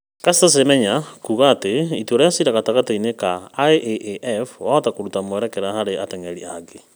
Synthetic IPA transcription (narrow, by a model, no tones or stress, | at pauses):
kastas̬emɛɲakuɣaːteituoɾɔjasiɾaɣataɣateinekaːeʔʔeʔɛfwaɔtakoɾutamoɛɾɛkɛɾahaɾeatɛŋɛɾiaɡe